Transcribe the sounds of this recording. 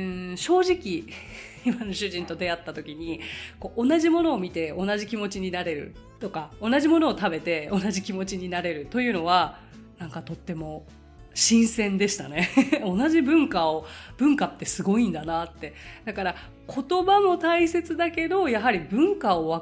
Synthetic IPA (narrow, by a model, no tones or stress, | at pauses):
ɯ̟̃ɕo̞ːʑikʲi | imano̞ɕɨʑĩnt̪o̞d̪e̞at̪ːat̪o̞kʲiɲ̟iko̞ːʔ̞ːnaʑimo̞no̞ːmʲit̪e̞o̞naʑikʲimo̞t͡ɕiɲ̟inaɾe̞ɾɯ̟̰ | t̪o̞kao̞naʑimo̞no̞ːt̪abe̞t̪e̞o̞naʑikʲimo̞t͡ɕiɲ̟inaɾe̞ɾɯ̟t̪o̞jɯ̟ːno̞β̞a | nãŋkat̪o̞t̪ːe̞mo̞ | ɕĩɰ̃sẽ̞nd̪e̞ɕi̥t̪a̰ne̞o̞naʑibɯ̟̃ŋkaob̥ɯ̟̃ŋkat̪ːe̞sɨɡo̞ĩnd̪anat̪ːe̞d̪akaɾa | kʰo̞t̪o̞bamo̞t̪aise̞t͡sɨd̪ake̞d̪o̞jaɦaɾʲibɯ̟̃ŋkao̞βa